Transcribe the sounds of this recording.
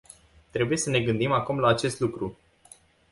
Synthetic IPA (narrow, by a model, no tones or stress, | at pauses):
t̪ɾe̞buje̞səne̞ɡɨnd̪imakumlaːt͡ʃe̞st̪lukɾu